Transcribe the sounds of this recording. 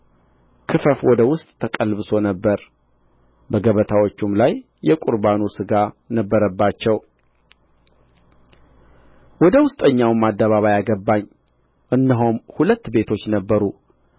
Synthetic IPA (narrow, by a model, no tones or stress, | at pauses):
kʰɨfəfwɔd̪əwʊst̪ʼt̪ʰəkʼəlbɨso̞nəbːəɾ | bəɡəβət̪ʰawot͡ʃːumlajː | ɛkʷʼʊɾbanusɨɡa | nəbːəɾəbːat͡ʃːɛw | wɔd̪əwʊst̪ʼəɲːawmad̪ːəβaβajaɡəbːaɲː | ʔɨnːəɦumhulət̪ːbe̞t̪ʰo̞t͡ʃːnəbːəɾu